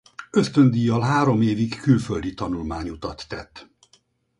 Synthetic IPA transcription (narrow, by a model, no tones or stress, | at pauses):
ø̞st̪ø̞nd̪ijɒlɦaːɾo̞meːvikkylføld̪it̪ɒnulmaːɲut̪ɒt̪ːɛt̪ː